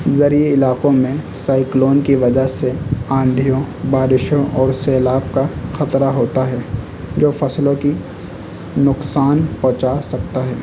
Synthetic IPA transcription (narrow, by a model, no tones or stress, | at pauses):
zɐɾieɪlaːqõmẽsaːɪkloːnkiʋɐd͡ʒəɦseãːnd̪ʱijõbaːɾɪʃõʔɔːɾsɛːlaːb̚kaxɐt̪ɾaɦoːt̪aɦɛː | d͡ʒoːfɐslõki | nʊqsaːnpɔ̃ɦt͡ʃasɐk̚t̪aɦɛː